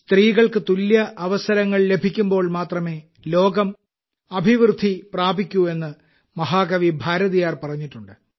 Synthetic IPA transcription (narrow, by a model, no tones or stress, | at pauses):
st̪riːɣɐɭkɨt̪uljɐʔɐʋɐsɐɾɐŋːɐɭle̞bʱikʲːumbo̞ːɭmaːt̪rɐme̞ː | lo̞ːɡɐm | ɐbʱiʋrɨd̪ʱːipraːbikʲːue̞nːɨ | mɐɦaːɡɐʋibʱaːɾɐðijaːrpɐrɐɲːiʈːuɳɖɨ